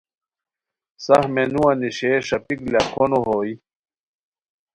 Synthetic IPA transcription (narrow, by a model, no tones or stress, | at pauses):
sɐhmenũwɐniɕeːʂɐpiklakʰonoɦoːi